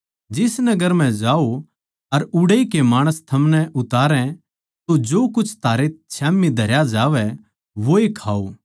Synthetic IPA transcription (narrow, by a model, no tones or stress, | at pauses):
d͡ʒɪsnɐɡəɾmɛ̃d͡ʒaːo | ɐɾʊɽikemaːɽ̃əst̪ʰɐmnɛʔʊt̪aːɾɛ̃ | t̪od͡ʒoːkʊt͡ʃʰt̪ʰaːɾet͡ʃʰɛːmːid̪ʱɐɾjad͡ʒaːʋɛ | ʋoekʰaːoː